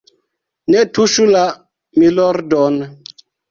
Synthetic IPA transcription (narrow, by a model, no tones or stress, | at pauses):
nɛtuʃula | milɔɾdɔn